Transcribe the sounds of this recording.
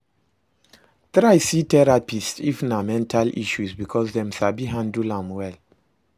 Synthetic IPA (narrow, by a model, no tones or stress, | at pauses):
tɹajsitɛɹapistḭfnamɛ̃ntʰalḭʃusbikʰɔsdɛ̃msabiɦãndulãmwɛl